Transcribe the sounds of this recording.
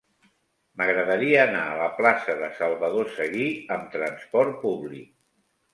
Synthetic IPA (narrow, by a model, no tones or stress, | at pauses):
məɣɾəðəɾiəːnaələplasəðəsəlˠβəðosəɣiəmt̪ɾənspɔɾt̪̚puβlḭk̚